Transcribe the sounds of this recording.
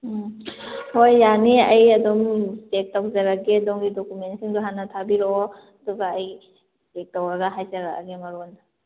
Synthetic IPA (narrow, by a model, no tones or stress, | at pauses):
hojːaniɐjɐdomtek̚tawzɐɾaɡedoŋɡidokumensiŋduɦanatʰabiɾoo | ɐduɡaːj | tek̚tawaɾɡaɦajzaɾaa̰ɡemɐɾonda